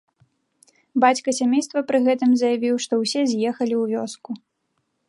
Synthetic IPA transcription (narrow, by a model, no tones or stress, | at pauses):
bat͡sʲkɐsʲamʲejst̪vɐpɾɨɣɛt̪ɨmzɐjavʲiwʂt̪ɔwsʲɛzʲjɛxɐlʲiwvʲɔsku